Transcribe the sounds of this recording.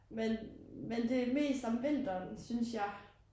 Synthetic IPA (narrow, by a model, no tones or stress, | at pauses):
menmend̥e̝me̝̰ːsd̥ɒmʋend̥ɐnsynsjɑ̈ɪ